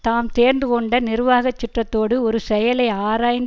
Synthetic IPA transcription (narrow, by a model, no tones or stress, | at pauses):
t̪aːmt̪eːɾndrɯkɔɳɖɐnɪɾʋaːɣɐt͡ʃːɪʈrɐt̪ːoːɽɯɔɾɯsɛjɐlɐɪaːɾaːjn